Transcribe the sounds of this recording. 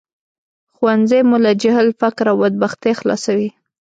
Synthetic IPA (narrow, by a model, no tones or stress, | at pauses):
xwanzemulad͡ʒahlfakɾawbəd̪̚baxt̪exlɑ̰sawi